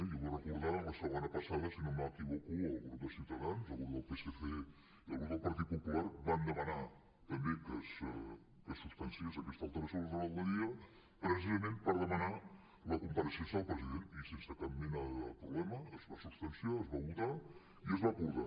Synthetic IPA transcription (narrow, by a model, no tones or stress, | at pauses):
joβarəkuɾðaləsəβonəpɐsaðəsinomakiβokuəlˠɣuɾd̪əsiwt̪əðanzəlˠɣuɾd̪əlˠpeseθe | iə̰lˠɣunðəlˠpɐɾt̪it̪̚pupulaɾβand̪əməna | t̪əmbekəs | kəsːupst̪ansiəzəkɛst̪alˠt̪əɾəsjozəβəlˠd̪əɾiə | pɾəs̬izəmenpəɾðəməna | ləkump̪aɾəsensəlˠpɾəziðenisensəkamminaðəpɾuβlɛməːzβasupst̪ənsjaəzβaβut̪a | iəzβakuɾða̰